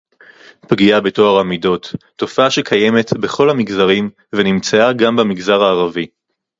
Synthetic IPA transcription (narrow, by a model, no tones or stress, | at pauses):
pɡiabe̞to̞aʁamido̞tː | o̞faaʃekʰaje̞me̞tbeχo̞lhamiɡzaʁim | venimt͡saaɡambamiɡzaʁaːʁavi